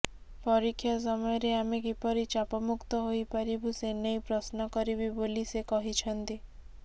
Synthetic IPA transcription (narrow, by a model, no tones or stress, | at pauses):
pɔɾikʰːjɔs̬ɔmɔjɔɾeamekipɔɾit͡ʃapɔmukt̪ɔɦojpaɾibusenejpɾɔsnɔkɔɾibibolisekɔɦit͡ʃʰɔnt̪i